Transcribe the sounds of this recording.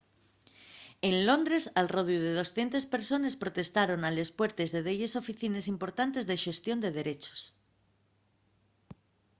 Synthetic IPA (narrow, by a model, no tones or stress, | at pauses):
enlo̞nd̪ɾe̞salroðjuð̞eð̞o̞sθje̞nt̪espe̞ɾso̞nespɾot̪e̞st̪aɾo̞nale̞spwe̞ɾt̪e̞zðeð̞eʝeso̞fiθinesimpo̞ɾt̪ant̪e̞zðe̞ʃe̞st̪jo̞nd̪e̞ð̞e̞ɾe̞t͡ʃo̥s